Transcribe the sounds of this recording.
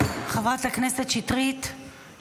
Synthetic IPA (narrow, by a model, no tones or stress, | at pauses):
χavat̪lakneset̪ʃit̪ʁit̪